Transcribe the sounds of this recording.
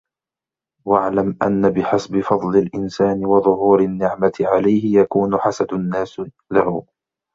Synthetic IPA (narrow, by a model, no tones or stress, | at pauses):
waʕlamʔanːabɪħasbɪfɑd̪ˤlɪlʔɪnsaːnɪwɑðˤʊɦuːɾanːɪʕmat̪ɪʕalajhɪjakuːnʊħasad̪nːaːs | lahʊ